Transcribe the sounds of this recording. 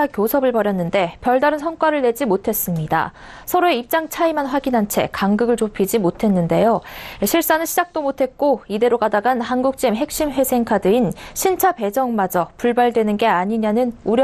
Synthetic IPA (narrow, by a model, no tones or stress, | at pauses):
akʲjosʰʌbɯɭpʌɾjʌnːɯnde̞pjʌɭdaɾɯnsʰʌnk͈waɾɯɭːe̞d͡ʑimotʰe̞s͈ɯmɲida̰ | sʰʌɾoe̞ip̚t͡ɕ͈aŋt͡ɕʰaimanɸwaɡinɦant͡ɕʰe̞̰kaŋɡɯɡɯɭt͡ɕopʰid͡ʑimotʰe̞nːɯnde̞joɕʰiɭs͈anɯnɕʰid͡ʑak̚t͈omotʰe̞t̚k͈oide̞ɾoɡadaɡanhanɡuk̚t͡ɕ͈imɦe̞k̚ɕ͈imɸwe̞sʰe̞ŋkʰadɯinɕʰint͡ɕʰape̞d͡ʑʌŋmad͡ʑʌpuɭbaɭdwe̞nɯnɡe̞aɲiɲanɯnuɾj